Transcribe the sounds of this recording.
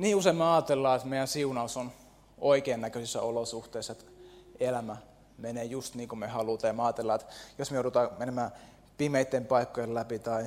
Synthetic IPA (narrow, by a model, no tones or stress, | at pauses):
niːuseimːɑɑːt̪elːɑːet̪meˑijænsiunɑuson | oikeːnnækøsisːæ̰olosuht̪eˑisːɑet̪elæmæ | meneːjust̪niːŋkumehɑlut̪ɑjɑmeɑːt̪elːɑːet̪josmejouˑɾut̪ɑːmenemæː | pimeit̪ːempɑikːojellæpit̪ɑi